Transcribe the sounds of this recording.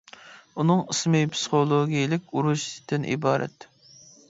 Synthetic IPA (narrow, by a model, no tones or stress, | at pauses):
unɨŋɨsmɨjpʰsɨ̥χolˠoɡʲijlɪkʲuɾuʃd̪ɨnʔḭbɑːɾʔɛ̰t̪